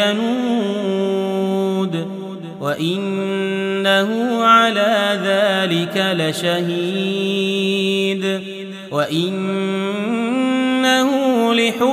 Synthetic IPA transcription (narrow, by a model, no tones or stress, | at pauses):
anuː | d̪ | waʔɪnː | ahʊʕalaːðaːlɪkalaʃahi | d̪ | waʔɪn | ahʊlɪħʊ